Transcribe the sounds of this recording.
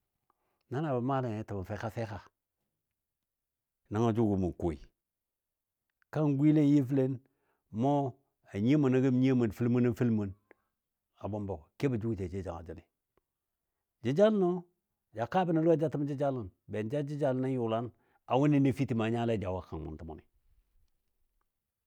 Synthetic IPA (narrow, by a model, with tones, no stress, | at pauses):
na˦na˨ba˨ma˦le˨e˨˦ta˨ma˨fe˦ka˦fe˦ka˨ | na˦ŋa˨d͡ʒu˦ɡu˨mu˨ko˨ḭ˨ | ka˦ŋɡʷi˦le˦ji˦fi˦le˦n | mo˦ | a˨ɲe˦ma˨na˨ɡi˦m˦ɲe˦ma˨n˨fi˦lmu˦na˦fi˦lmə˨n | a˨bo˦mbo˨kke˦ba˨d͡ʒu˦ɡte˨d͡ʒe˦d͡ʒa̰˨a̰˨d͡ʒi˦˨li˨ | d͡ʒi˦d͡ʒa˦lno˦ | d͡ʒa˨ka˦bi˦na˨lu˦a˦d͡ʒa˦ti˦m˦d͡ʒi˦d͡ʒa˦li˨nbe˨nd͡ʒa˦d͡ʒi˦d͡ʒa˦lna˦ju˨la˦n | a˨wu˦ni˦ne˦fi˦ti˨ma˨ɲa˦la˦˨d͡ʒa˨wa˦ka˨mṵ˨ntu˦mo̰˨nḭ˨